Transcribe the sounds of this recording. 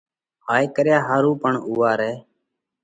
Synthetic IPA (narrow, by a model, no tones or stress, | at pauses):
haːjkəɾjaːɦaːɾũːpəɳuːaːɾɛː